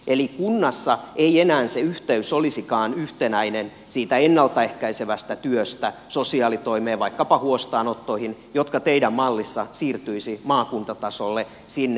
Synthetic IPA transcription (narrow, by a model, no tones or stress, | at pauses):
ʔelikunːɑsːɑʔeienæːnseyht̪eysolisikɑːnyht̪enæinen | siːt̪æenːɑlt̪ɑehkæiseʋæst̪æt̪yøst̪æsosiɑːlit̪oimeːʋɑikːɑpɑhuost̪ɑːnot̪ːoihinjot̪kɑt̪eidæmmɑlːisːɑsiːrt̪yisimɑːkunt̪ɑt̪ɑsolːe | sinːe